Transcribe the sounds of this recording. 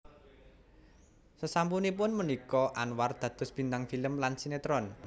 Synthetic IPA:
səsampunipʊnmənikɔʔanward̪̥ä̤d̪̥ʊ̤sb̥i̤nt̪aŋfiləmlansinet̪ɾɔn

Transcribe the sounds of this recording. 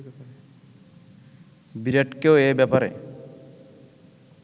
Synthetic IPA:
biɾeʈkeoebɛpaɾḛ

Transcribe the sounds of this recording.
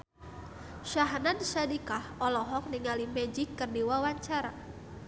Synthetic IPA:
ʃaɦnanʃadikahɔlɔɦɔk̚niŋalimɛd͡ʒɪkːərdiwawaɲt͡ʃaɾa

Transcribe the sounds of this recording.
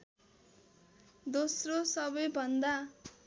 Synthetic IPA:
d̪osrosʌbʌjbʱʌnd̪a

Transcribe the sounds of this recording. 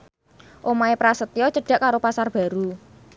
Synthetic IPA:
ʔomaepɾasət̪iɔt͡ʃəɖ̥a̤ʔkaɾopasarb̥ä̤ɾu

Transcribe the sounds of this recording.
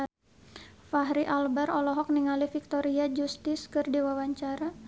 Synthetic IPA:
faɦɾiʔalbarɔlɔɦɔk̚niŋalifik̚t̪oɾiad͡ʒust̪ɪskɨrdiwawaɲt͡ʃaɾa

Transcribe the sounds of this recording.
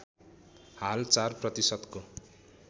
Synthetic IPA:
halt͡sarprʌt̪isʌd̪ko

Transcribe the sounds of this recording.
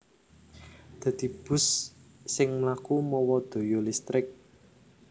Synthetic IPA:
d̪̥ä̤d̪̥i̤b̥ʊ̤sː | ɪŋmlakumɔwɔd̪̥o̤jolist̪ɾɪk̚

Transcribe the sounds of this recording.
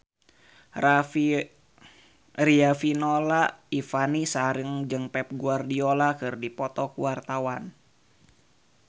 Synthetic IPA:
riafinolaifanisaɾəŋd͡ʒɨŋpɛp̚ɡuardiolakɨrdipɔt̪ɔkuwart̪awan

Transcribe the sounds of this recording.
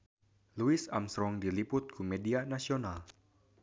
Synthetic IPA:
luɪsa̰msɾɔŋdilipʊt̪̚kumedianasional

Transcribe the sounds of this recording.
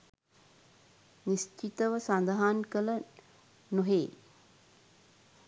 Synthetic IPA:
nist͡ʃit̪əʋəsand̪aɦankələ | noɦeː

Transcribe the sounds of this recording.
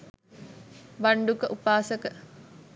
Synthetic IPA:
ʋaɳɖukəʔupaːsəkə

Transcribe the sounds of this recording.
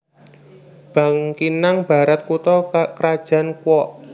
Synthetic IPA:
b̥a̤ŋkinaŋb̥a̤ɾat̪̚kut̪ɔkɾad̥ʒ̥a̤nkwɔʔ

